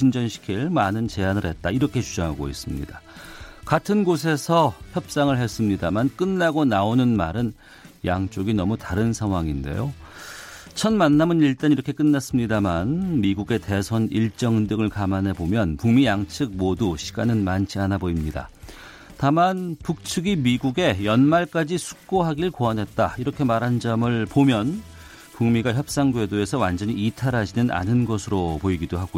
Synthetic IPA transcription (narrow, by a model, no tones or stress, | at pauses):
ind͡ʑʌnɕʰi̥kʰiɭmanɯnt͡ɕe̞anɯɾhe̞t̚t͈aiɾʌkʰe̞t͡ɕud͡ʑaŋɦaɡo̰is͈ɯmɲḭdakatʰɯnɡosʰe̞sʰʌçjʌp̚s͈aŋɯɭɦe̞s͈ɯmɲidamank͈ɯnːaɡonaonɯnmaɾɯn | jaŋt͡ɕ͈oɡinʌmutaɾɯnsʰaŋɦwaŋinde̞̰jo | t͡ɕʰʌnmanːamɯniɭt͈aniɾʌkʰe̞k͈ɯnːas͈ɯmɲidamanmiɡuɡe̞te̞sʰʌniɭt͡ɕ͈ʌŋɯndɯŋɯɭkamanɦe̞bomjʌnpuŋmijaŋt͡ɕʰɯk̚moduɕʰi̥ɡanɯnmant͡ɕʰianaboimɲida̰ | tamanpuk̚t͡ɕʰɯɡimiɡuɡe̞jʌnmaɭk͈ad͡ʑisʰu̥k̚k͈oɦaɡiɾɯɭkoanɦe̞t̚t͈a̰iɾʌkʰe̞maɾɦand͡ʑʌmɯɭpomjʌn | puŋmiɡaçjʌp̚s͈aŋɡwe̞doe̞sʰʌwand͡ʑʌɲiːtʰaɾɦad͡ʑinɯnʔa̰nɯnɡʌsʰɯɾopoiɡidoɦaɡojo